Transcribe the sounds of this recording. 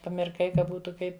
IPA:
pɐmʲɪrˈkɐɪ kɐ ˈbuːtʊ ˈkɐɪp

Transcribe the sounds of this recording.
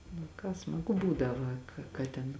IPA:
nʊ ˈkɑː smɐˈɡʊ ˈbuːdɐʋɐ kɐ kɐ ˈtʲɛn

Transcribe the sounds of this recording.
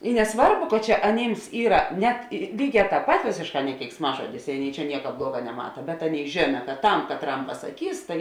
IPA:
ɪ nʲɛˈsʋɐrbʊ kɐ ˈt͡ʃʲɛ ɐˈnʲiːms ˈiːrɐ ˈnʲɛt ˈlʲiːˌɡʲɛː ˈtɑːp pɐt ˈʋʲeːsʲeːʃˌkɑː nʲɛ kʲɛɪksˈmɑːʒoːdʲɪs ɪ ˈɑːˌnʲeːɪ t͡ʃʲɛ ˈnʲiɛkɐ ˈblˠuɔɡɐ nʲɛˈmɑːtɐ bʲɛt ˈɑːˌnʲeːɪ ˈʒʲeːnɐ kɐt ˈtɐm kɐtˈrɐm pɐsɐˈkʲiːs tɐɪ

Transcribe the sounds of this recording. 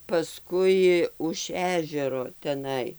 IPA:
pɐˈskʊɪ ʊʃ ˈæːʒʲɛroː tʲɛˈnɐɪ

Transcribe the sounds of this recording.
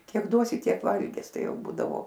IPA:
ˈkʲiɛk ˈduɔsʲɪ ˈtʲiɛk ˈʋɐlʲɡʲɪs ˈtɐɪ ˈjɛʊ ˈbuːdɐʋoː

